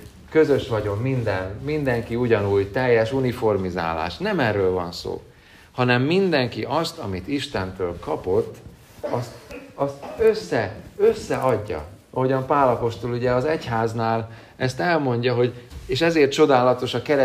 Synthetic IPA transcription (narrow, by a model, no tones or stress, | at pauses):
køzøʃʋɒɟo̞mːind̪ɛnmind̪ɛŋkiuɟɒnuːjt̪ɛjːɛʃunifo̞rmiza̰ːla̰ːʃnɛmɛrːøːlvɒ̰nso̰ː | hɒnɛmːind̪ɛŋkiʔɒst̪ɒmit̪iʃt̪ɛnt̪øːlkɒpo̞t̪ː | ɒst̪ɒst̪øsːɛø̞sːɛʔɒɟːɒ̰ | ɒɦo̞ɟɒmpaːlɒpo̞ʃt̪o̞luɟɛɒzɛchaːznaːl | ɛst̪ɛlmo̞ɲɟɒɦo̞ɟeːʃɛzeːrt̪̚t͡ʃo̞d̪aːlɒt̪o̞ʃɒkɛɾɛ